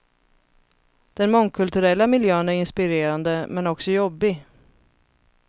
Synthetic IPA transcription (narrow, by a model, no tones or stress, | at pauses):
d̪̥ɛnmɔŋkʰɵlt̪ɵɾɛlːamɪljøːənæɾɪnspɪɾeːɾand̪əmɛnɔksɔjɔbːɪ